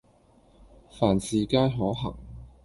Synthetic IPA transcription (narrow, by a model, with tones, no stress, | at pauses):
faː˨˩nsiː˨˩kaː˥jɦɔː˨˥ɦɐ̰˨˩ŋ